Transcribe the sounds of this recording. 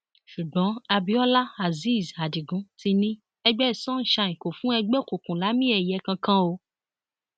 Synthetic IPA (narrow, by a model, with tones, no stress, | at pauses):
ʃu˨ɡ͡bɔ̃˨˦a˧bi˧˦ɔ˦la˦a˨zi˦˨za˨di˨ɡũ˨˦ti˧nĩ˦ | ɛ˧ɡ͡bɛ˦˨sɔ̃˦ñ̩˦ʃa˧ĩ˨ko˨fũ˨˦ɛ˧ɡ͡bɛ˦˨ko˨kũ˨la˨˦mĩ˦ɛ˨jɛ˨˦kã˧kã˦o˧